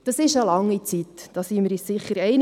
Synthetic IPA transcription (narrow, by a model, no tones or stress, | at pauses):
d̥ɑsɪʃəlɑŋːit͡sitd̥ɑsiːməɾissɪχəɾɛɪn